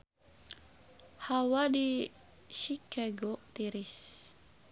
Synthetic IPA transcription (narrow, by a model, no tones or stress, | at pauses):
hawadi | ʃikaɡot̪iɾis